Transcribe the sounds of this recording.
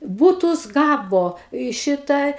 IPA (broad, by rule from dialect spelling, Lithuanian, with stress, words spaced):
ˈbuːtʊs ˈɡɑːʋoː ɪ ˈʃʲɪtɐ